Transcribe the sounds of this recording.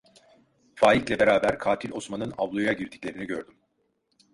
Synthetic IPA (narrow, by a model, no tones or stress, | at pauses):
faːjiclʲɛbe̞ɾaːbæɾkʰaːt̪ʰilʲo̞smanɯnavlˠojaɟiɾd̪ʰicʲlʲe̞ɾiniɟø̞ɾd̪ym